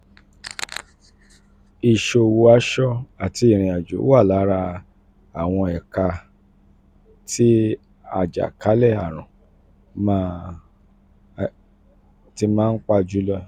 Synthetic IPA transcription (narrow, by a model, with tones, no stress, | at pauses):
i˨ʃo˧˨wo˧a˨˦ʃɔ˦a˨ti˧i˨ɾ̃ĩ˨a˨d͡ʒo̰˨˦a˦˨la˨˦ɾa˧ | a˨w̃ɔ̃˧ɛ˨ka˧ | ti˦ | a˧˨d͡ʒa̰˨ka˨˦lɛ˦˨a˨ɾ̃ã˨ | ma˦ | ti˧˦mãː˦n̩˦k͡pa˦˧d͡ʒu˦lɔ˦˧